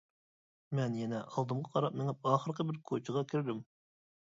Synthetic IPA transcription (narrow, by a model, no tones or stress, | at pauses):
mɛnjɛnɛʔɑlˠd̪ɨmʁɑqʰɑɾɑp̚mɪŋɛp̚ɑːχəɾqəbɪɾkʰot͡ʃʰɨʁɑkʲʰiɾd̪ym